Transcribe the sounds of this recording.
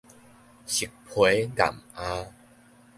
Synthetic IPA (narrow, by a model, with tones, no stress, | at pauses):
ɕi˨k̚pʰwe˨˦da̰˨˩ma˦